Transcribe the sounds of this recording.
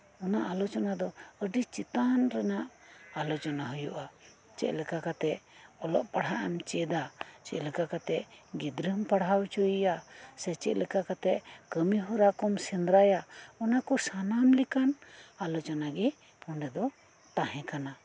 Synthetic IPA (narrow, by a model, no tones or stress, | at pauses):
ɔnaʔalɔt͡ʃɔnad̪ɔəɖit͡ʃit̪anɾɛnaʔalɔt͡ʃɔnaɦəjuʔa | t͡ʃɛ̰ʔlɛkakat̪ɛʔɔlɔ̰ʔpaɽɦaʔɛmt͡ʃɛd̪at͡ʃɛ̰ʔləkakat̪ɛʔɡid̪ɾəmpaɽɦawt͡ʃɔjijasɛt͡ʃɛ̰ʔləkakat̪ɛʔkəmiɦuɾakɔmsɛnd̪ɾajaɔnakɔsanamlikanalɔt͡ʃɔnaɡɛ | pɔɳɖɛd̪ɔ | t̪ãɦɛ̃kana